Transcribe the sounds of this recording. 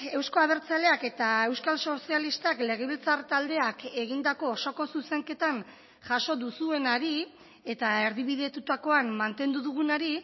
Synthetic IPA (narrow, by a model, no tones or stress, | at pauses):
e̞wsko̞aβ̞e̞ɾt͡sale̞ake̞t̪ae̞wskalso̞sialist̪akle̞ɣ̞e̞β̞ilt͡sart̪ald̪e̞ake̞ɣ̞ind̪ako̞ːso̞ko̞suse̞ŋke̞t̪an | ʝaʃo̞ðusue̞naɾi | e̞t̪ae̞ɾðiβ̞iðe̞t̪ut̪ako̞ammant̪e̞nd̪uðuɣ̞unaɾi